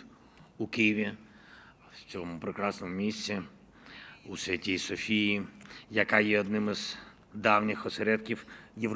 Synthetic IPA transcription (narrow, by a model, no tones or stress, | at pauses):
ukijɪʋʲi | t͡sʲɔmʊpɾɪkɾɑsnɔmʊmʲisʲt͡sʲi | usʲɛtʲijsɔfʲijijɐkɑjɛɔd̪nɪmɪz | d̪ɑwnʲɪxɔseɾɛd̪kʲiwjew